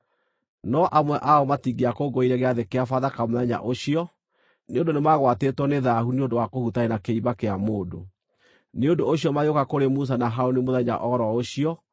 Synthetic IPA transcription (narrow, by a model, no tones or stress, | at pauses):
nɔʔamwɛʔaɔmatiɡeakoɡoiɾɛɣeaðekeafaðakamoðɛɲa̰ʔoɕiɔ | neondonemaɣwatetwɔneðahuneondowakohutaenakeiβakeamoːdo̰ | neondoːɕiɔmajokakoɾemus̬anaɦaonemoðɛɲa̰ʔɔɾɔoɕiɔ